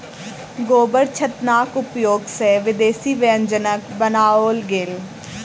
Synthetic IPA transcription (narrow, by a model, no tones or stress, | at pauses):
ɡoːbəɾt͡ʃʰət̪naːkʊpjoːɡsɛːʋɪd̪eːsiːʋeə̃nd͡ʒənəkbənaːoːlɡel